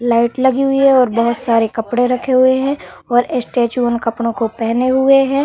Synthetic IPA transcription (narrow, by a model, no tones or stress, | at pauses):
laːɪʈlɐɡiɦʊiɦɛɔːɾbɐɦʊt̪saːɾekɐpɽeɾɐkʰeɦʊeɦɛ̃ɔːɾɪsʈeːt͡ʃuənkɐpɽ̃õkopɛɦneɦʊeɦɛ̃ː